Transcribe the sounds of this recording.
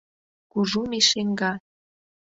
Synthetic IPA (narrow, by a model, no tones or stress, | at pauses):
kuʒumiʃeŋɡɑ